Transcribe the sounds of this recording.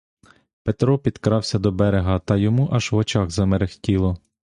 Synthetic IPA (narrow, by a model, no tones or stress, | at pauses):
pet̪ɾɔpʲid̪kɾɑwsʲɐd̪ɔbɛɾeɦɐt̪ɐjɔmuʔɐʒʋɔt͡ʃɑɣzɐmɛɾɪxtʲilˠɔ